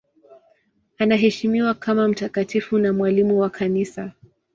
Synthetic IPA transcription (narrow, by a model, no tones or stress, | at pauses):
anaɦɛʃimiwakʰamam̩takatifunamwalimuwakʰanisa